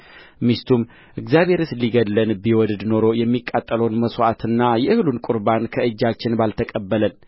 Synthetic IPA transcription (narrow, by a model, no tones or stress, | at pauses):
mist̪ʰum | ʔɨɡzjaβhe̞ɾɨsliɡədːənbiwɔd̪d̪no̞ɾo̞jɛmːikʼːat̪ʼːələwnməsoʔat̪ɨnːajɛɨhlunkʼuɾbankʰəɨd͡ʒːat͡ʃːɪnbalt̪ʰəkʼəbːələn